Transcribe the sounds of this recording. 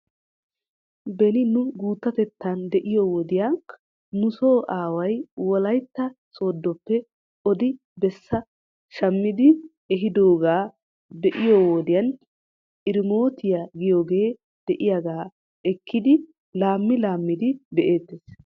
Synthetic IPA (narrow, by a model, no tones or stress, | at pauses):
bɛnɪnʊɡuːt̪ːɐt̪ɛt̪ːɐnd̪ɛʔɪjoːwɔd̪ɪjaŋk | nʊso̞ːʔaːwɐjwɔlɐjt̪ːɐso̞ːd̪ːɔpːɛ | ʔɔd̪ɪ | bɛsːɐ | ʃɐmːɪd̪ɪ | ɛɦɪd̪o̞ːɡaː | bɛʔɪjoːwod̪ɪjɐn | ʔɪɾɪmo̞ːt̪ɪjaɡɪjo̞ːɡe̞ː | d̪̥ɛʔɪjaɡaː | ɛkːɪd̪ɪ | laːmːɪlaːmːɪd̪ɪbɛʔe̞ːt̪ːeːs